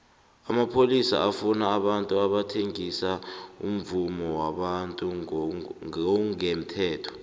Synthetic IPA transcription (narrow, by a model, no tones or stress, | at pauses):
amapʰolisa̰ʔafunaːɓantʼuaɓatʰeŋisaṵm̩vumɔwaɓantʼu | ŋem̩tʰɛːtʰɔ̥